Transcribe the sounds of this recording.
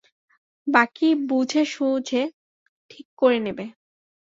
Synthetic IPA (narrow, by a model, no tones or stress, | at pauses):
bakibud͡ʑʱeʃud͡ʑʱe | ʈʰikːoɾenebe